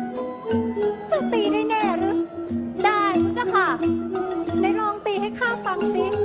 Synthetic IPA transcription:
su˨˩k̚t̪iː˧daː˥˩jnɛː˧˩ɾ̚daː˧˩jku˨˦t͡ɕa˧˩pʰaː˨˩k̚ | na˧˥˩jɾɔː˧˥ŋt̪iː˧ha˦˥˩jkʰaː˥˩fa˨˩ŋsi˦˥

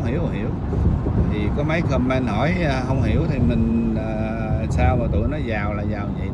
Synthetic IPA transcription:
hi˧˩əwhḭ˧˩əw | t̪ʰi˨˩kɔ˨˦ma˨˦jkʰə˧mmɛ˧nhɔ˧˩jɦə˧wŋ͡mhi˧˩əwt̪ʰi˨˩mï˨˩ŋ̟aː˨˩ | saː˧wmaː˨˩t̪ṵ˧˨jnɔ˨˦jzaː˨˩wlaː˨˩zaː˨˩wzḭ˧˨

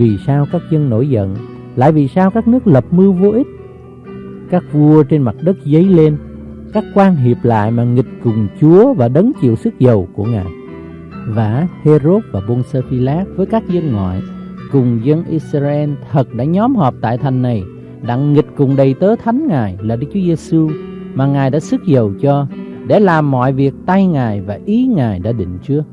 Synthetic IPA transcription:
vi˨˩saː˧wkaː˦˥k̚zə˧nno̰˧˩jzə̰˧˨n | la̰ː˧˨jvi˨˩saː˧wkaː˦˥k̚nɨ˦˥ək̚lə˨˩p̚mɨ˧wvo˧ʔi˦˥t̚ | kaː˦˥k̚vu˧ət͡ɕe˧nma˨˩t̚ɗə˦˥k̚zə˨˦jle˧n | kaː˦˥kkwaː˧nɦi˨˩əp̚la̰ː˧˨jmaː˨˩ŋï˨˩k̚kʊ˨˩ŋ͡mt͡ɕu˨˦əvaː˨˩ɗə˨˦nt͡ɕḭ˧˨əwsɨ˦˥k̚zə˨˩wku˧˩əŋa̰ː˨˩j | vaː˧˩he˧zo˦˥t̚vaː˨˩ɓo˧nsəː˧fi˧laː˦˥p̚vəː˨˦jkaː˦˥k̚zə˧ŋŋwa̰ː˧˨jkʊ˨˩ŋ͡mzə˧nʔi˦˥saː˧ʔɛ˧nt̪ʰə˨˩t̚ɗa̰ː˧˥ɲɔ˨˦mɦɔ˨˩p̚t̪a̰ː˧˨jt̪ʰa˨˩jŋ̟nːa˨˩j | ɗa̰˧˥ŋːï˨˩t̚kʊ˨˩ŋ͡mɗə˨˩jt̪əː˨˦t̪ʰa˨˦jŋ̟ŋaː˨˩jlaː˨˩ɗɨ˦k̚t͡ɕu˨˦əze˧su˧ | maː˨˩ŋaː˨˩jɗa̰ː˧˥sɨ˦˥k̚zə˨˩wt͡ɕɔ˧ | ɗe˧˩laː˨˩mːɔ̰˧˨jvi˨˩ək̚t̪a˧jŋaː˨˩jvaː˨˩ʔi˨˦ŋaː˨˩jɗa̰ː˧˥ɗḭ̈˧˨ŋ̟t͡ɕɨ˦˥ək̚

